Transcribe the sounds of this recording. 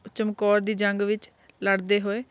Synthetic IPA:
t͡ʃəmkɔːɾd̪iːd͡ʒəŋɡʋɪt͡ʃ | ləɽd̪eːɦoːeː

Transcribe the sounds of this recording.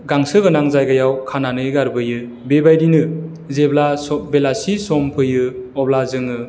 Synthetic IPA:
ɡaŋsɯɡɯnaŋzajɡajawkʰananɯjɡaɾbɯjɯ | bebajdinɯ | zeblasɔbelasisɔmpʰɯjɯɔblazɯŋɯ

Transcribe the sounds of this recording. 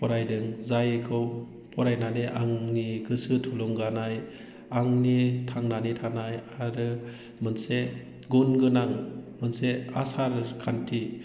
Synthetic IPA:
pɔɾajdɯŋzajkʰɯw | pʰɔɾajnaneʔaŋniɡɯsɯtʰuluŋɡanaj | aŋnitʰaŋnanitʰanajaɾɯ | mɯnse | ɡunɡɯnaŋmɯnseasaɾkʰantʰi

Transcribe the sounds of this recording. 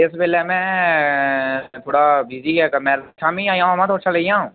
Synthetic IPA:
ɪsbeːlɛmɛ̃ | t̪ʰoːɽabiːziɛkəmɛːɾt͡ʃʰamĩãːjãamãt̪ʰoːt͡ʃʰʃʰalɐijãɦũː

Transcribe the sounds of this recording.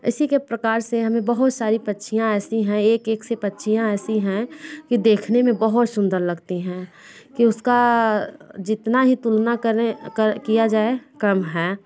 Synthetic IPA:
ɪ̰sikepɾəkaːɾseɦɐmẽbəɦʊt̪saːɾipətːʃʰijãɛːsiɦɛ̃eːkeːksepətːʃʰijãɛːsiɦɛ̃kid̪eːkʰnemẽbəɦʊt̪sʊ̃nd̪əɾləɡt̪iɦɛ̃ | kiʊska | d͡ʒɪt̪naɦit̪ulnakəɾekəkijad͡ʒaːekɐmɦɛː

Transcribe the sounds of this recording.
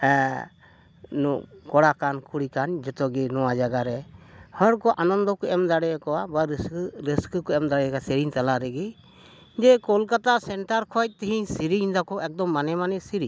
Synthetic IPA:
nɔkɔɽakankʰuɽikand͡ʒɔt̪ɔɡinɔwad͡ʒaɡaɾɛhɔɾkɔʔanɔnd̪ɔkɔɛmd̪aɽɛkɔwabaɾsɾiskkɔɛmd̪aɽɛkasiɾint̪alaɾɛɡi | d͡ʒɛkɔlkat̪asɛɳʈaɾkʰɔjt̚t̪iɦiɲsiɾiiɲd̪akɔʔɛk̚d̪ɔmːanɛmanɛsiɾi

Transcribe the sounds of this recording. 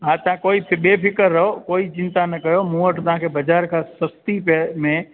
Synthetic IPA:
ɦãːt̪ɐãkoːipʰɓeːpʰɪkəɾːɐɦokoːit͡ʃɪnt̪anɐkɐjomũːəʈʰt̪ɐɦãkʰebɐd͡ʒaːɾkʰãsɐst̪ipmẽ

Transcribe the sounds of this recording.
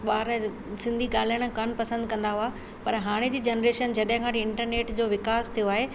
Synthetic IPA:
ɓaːɾ | sɪ̃nd̪ʱiɠaːl̤iəɽ̃̆kɐnpɐsə̃nd̪̚kɐ̃nd̪aɦua | pɐɾɦaːɽ̃ed͡ʑiːd͡ʑɐnɾeːʃənd͡ʑɐɗɦɪ̃kʰãʈɪ̃ɳʈəɾneːʈd͡ʑoːʋɪkaːst̪ʰijoaːɦe

